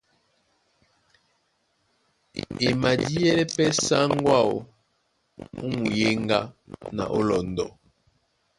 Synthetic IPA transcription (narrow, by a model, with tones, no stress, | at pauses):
e˨ma˨di˦ɛ˦lɛ˦pɛ˦sa˦ŋ˦ɡwa˦˨o˦ | u˦mu˨je˦ŋɡa̰˦na̰˨ʔo˦lɔ˨n˨dɔ̰˨